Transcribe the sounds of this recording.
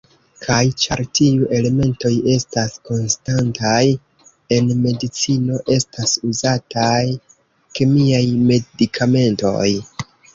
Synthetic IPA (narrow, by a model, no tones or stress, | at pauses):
kʰajt͡ʃaɾtiuʔe̞le̞me̞nto̞je̞stasko̞nstantaj | e̞nme̞dit͡sino̞ʔe̞stasuzatʰaj | kemiajme̞dikʰame̞nto̞̰j